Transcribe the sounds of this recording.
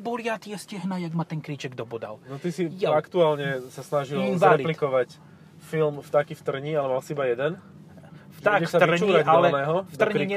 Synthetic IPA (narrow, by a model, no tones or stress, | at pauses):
bɔljat̪ijɛscɛɦnajaɡmat̪ɛnkɾit͡ʃɛɡd̪ɔbɔd̪a̰lnɔt̪isiaakt̪uaːlɲɛsasnaʒilzvɾaɛliplitkɔʋac | filmft̪akift̪r̩ɲialɛmalsiibajɛd̪ɛn | ft̪akɛsat͡ʃuiɾaalɛnɛːɦɔfd̪r̩ɲɾiɲɛ